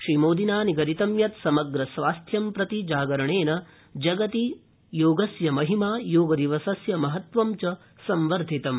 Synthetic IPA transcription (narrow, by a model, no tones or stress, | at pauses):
ʃɾimoːd̪inaːniɡɐɾit̪ɐmjɐt̪sɐmɐɡɾɐsʋaːst̪ʰjɐmpɾɐt̪id͡ʒaːɡɐɾɐɳeːnɐ | d͡ʒɐɡɐt̪i | joːɡɐsjɐmɐɦimaːjoːɡɐd̪iʋɐsɐsjɐmɐɦɐt̪ʋɐmt͡ʃɐ | sɐmʋɐɾd̪ʱit̪ɐm